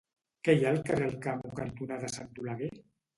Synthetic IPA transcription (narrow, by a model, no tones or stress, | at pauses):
kɛjalkərelˠkamukant̪unaðəsant̪ulaɣe